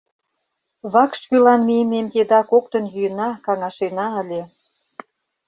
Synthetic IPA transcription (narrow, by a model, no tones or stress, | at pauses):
βɑkʃkylɑnmijəmemked̪ɑkok̚t̪ə̆njyjə̆nɑkɑŋɑʃenɑəlʲe